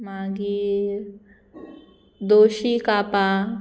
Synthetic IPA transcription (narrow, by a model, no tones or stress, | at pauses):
maːɡi | d̪oːʃikaːpa